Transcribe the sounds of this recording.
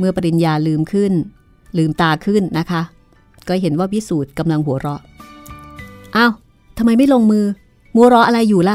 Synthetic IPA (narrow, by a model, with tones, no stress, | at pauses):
mɯ˧ɐpa˧ɾi˧njaː˧lɯː˧mkʰɯ˥˩n | lɯː˧mt̪aː˧kʰɯ˥˩nːa˦˥kʰa˦˥ʔ | kɔː˥˩ɦe˩˦nwaː˥˩wi˦˥suː˨˩t̪̚ka˧mla˧ŋɦu˩˦ɐɾɔ˦˥ʔ | ʔaː˥˩w | t̪ʰa˧mːa˧jma˥˩jlo˧ŋmɯː˧ | mu˦ɾɔ˦˥ʔa˧ɾa˧jːuː˨˩la˧˦˥